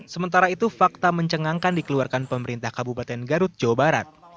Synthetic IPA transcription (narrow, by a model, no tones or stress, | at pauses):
səmənt̪aɾait̪ufak̚t̪aməɲt͡ʃəŋaŋkandikəluarkanpəməɾint̪ahkabupat̪ɛnɡaɾʊt̪̚d͡ʒawabaɾa̰t̪̚